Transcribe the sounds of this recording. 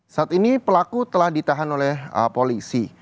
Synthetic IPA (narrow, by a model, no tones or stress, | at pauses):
saat̪inipəlakut̪əlahdit̪aɦanolɛhəpolisi